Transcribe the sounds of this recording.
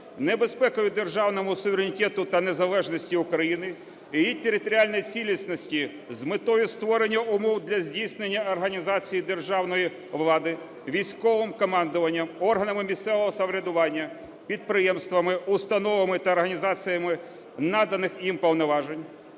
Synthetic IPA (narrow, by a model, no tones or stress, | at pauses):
nebespɛkʊjʊd̪erʒɑwnɔmʊsʊʋʲeɾʲenʲitʲɛt̪ʊt̪ɐnezɐlˠɛʒnɔsʲtʲiʊkɾɐjinɪ | jijit̪eɾʲɪt̪ɔɾʲialʲnɔjit͡sʲilʲisʲnɔsʲtʲi | zmɪt̪ɔjʊst̪ʋɔɾenʲːɐʔʊmɔwd̪lʲɐzʲdʲijsnenʲːɐɔrɦɐnʲizɑt͡sʲijid̪e̞rʒɑwnɔji | ʋlˠɑd̪ɪ | ʋʲijsʲkɔʋɪmkɔmɑnd̪ʊʋɐnʲːɐmɔrɦɐnɐmɪmʲist̪sɛʋɔɦɔsɐʋɾʲɐd̪ʊʋɑnʲːɐ | pʲid̪̚pɾɪjɛmst̪ʋɐmɪʊst̪ɐnɔʋɐmɪt̪ɐːrɦɐnʲizɑt͡sʲijɐmɪ | nɑd̪ɐnɪxjimpɔwnɔʋɑʒenʲ